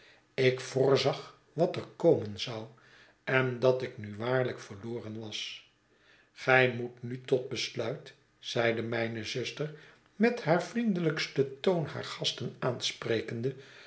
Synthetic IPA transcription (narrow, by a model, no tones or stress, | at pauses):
ɪkfʊːɹzɑχ | ʋɑtərkoːmənzɑw | ɛndɑtɪknyʋaːɹləkfəɹloːrənʋɑs | χɛjmutnytɔt̚bəslœɥt | z̥ɛjdəmɛjnəzʏstər | mɛthaːɹvrindələkstətownha̰ːɹχɑstənaːnsprejkəndə